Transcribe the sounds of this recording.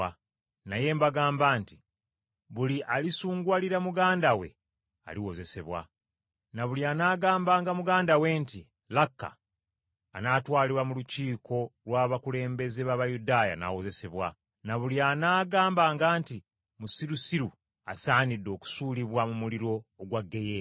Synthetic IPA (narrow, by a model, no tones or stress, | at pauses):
naje̞ːmbaɡaːmbaːnti | βuliʔalisuːŋɡwaliɾamuɡaːndawe̞̰ | a̰liwo̞ze̞se̞βwa̰ | naβulianaːɡaːmbaːŋɡamuɡaːndawe̞ːnti | lakːa̰ː | naːtwaːliβwamuluciːkʰo̞lwaːβakule̞ːmbe̞ze̞βaβajudaːja̰na̰wo̞ze̞se̞βwa̰ | naβulianaːɡaːmbaːŋɡaːnti | musiɾusiɾu | asaːnidːo̞ːku̥suːliβwamumuliɾo̞ːɡwaɡːe̞je